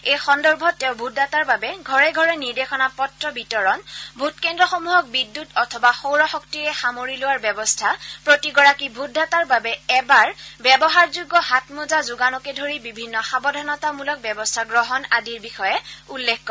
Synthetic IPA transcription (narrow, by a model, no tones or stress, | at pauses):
ejxɔndɔɹbʱɔtːɛ̃ʊbʱudʱataɹbabɛɡʱɔɹɛɡʱɔɹɛniɹdexɔnapɔtɹɔbʱitɔɹɔnbʱutkɛndɹɔxomuɦɔk̚bidːutɔtʰɔbaxowɹɔxɔktiɹɛxamoɹilowaɹbɛbɔstʰapɹotiɡɔɹakibʱudʱːataɹbabɛɛbaɹbɛbɔɦaɹzuɡːɔɦatmuzazuɡanɔkɛdʱoɹibibʱinːɔxabɔdʱɔnɔtamulɔk̚bɛbɔstʰaɡɹɔɦɔnadiɹbixɔjɛulːekʰkɔ